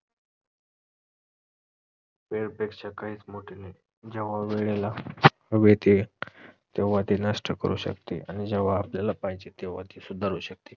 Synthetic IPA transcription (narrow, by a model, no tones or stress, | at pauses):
peɽpekɕakaɦiːt͡smoʈʰele | d͡ʑəʋ̤aʋeɭela | ʋet̪e | t̪eʋat̪inəʂʈəkə̰ɾṵːɕə̰kt̪ḛʔa̰nid͡ʑeʋ̤aːpljalapajt͡ɕet̪eʋ̤at̪isud̪ʱaɾuːɕək̚t̪e